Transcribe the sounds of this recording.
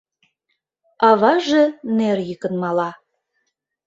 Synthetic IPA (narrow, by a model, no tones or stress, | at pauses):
ɑβɑʒĕnerjikə̆nmɑlɑ